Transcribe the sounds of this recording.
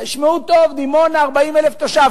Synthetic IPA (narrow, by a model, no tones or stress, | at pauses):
ʃmeut̪ːo̞vd̪imo̞naʁbaimeleft̪oʃa